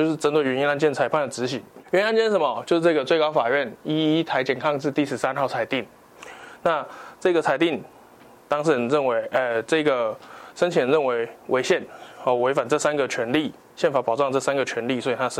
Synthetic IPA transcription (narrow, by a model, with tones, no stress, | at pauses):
t͡ɕʊʂɻ̩˥˩ʈ͡ʂə˧˥nt̪ʰwe˨˩ɥɛ˧˥ni˧˥na˥˧nt͡ɕjɛ˥˩nt͡sʰa˧˥ɪpʰa˥˩nd̪ə˩ʈ͡ʂɻ̩˧˥˦ɕi˨˩ɛ˧˥ni˥a˥˧nt͡ɕjɛ˥˧˩ʂə˧˦m˨˩˨t͡ɕjo˥˧ʊʂ̩˥˧ʈ͡ʂɤ˥˩ɡə˩t͡swe˥˩ɪkɑ˥ʊfa˨˩ɥɛ˥˩ni˥i˥t̪ʰa˧˥ɪt͡ɕjɛ˨˩nkʰɑ˥˧ŋʂɻ̩˥˧t̪i˥˩ʂɻ̩˧˥sa˥nxɑ˥˩ʊt͡sʰa˧˥ɪt̪i˥˩ŋ | na˥˧ʈ͡ʂɤ˥˩ɡə˩t͡sʰa˧˥ɪt̪i˥˩ŋ | t̪ɑ˥ŋʂ̬̩˥˩˧ɻə˥˩nwe˧˥ɪʔə˨˩ʈ͡ʂɤ˥˩˥ɡə˩ʂə˥nt͡ɕʰi˨˩ə˧˦nɻə˥˩nwe˧˥ɪwe˧˥ɪɕjɛ˥˩nɔ˨˩we˧˥ɪfa˨˩nʈ͡ʂɤ˥˩sa˥nɡə˨t͡ɕʰɥɛ˧˥nli˥˩ | ɕjɛ˥˩nfa˨˥pɑ˨˩ʊʈ͡ʂɑ˥˧ŋʈ͡ʂɤ˥˩sa˥nɡə˨t͡ɕʰɥɛ˧˥nli˥˩swɔ˧˥i˨˩t̪ʰa˦˥ʂ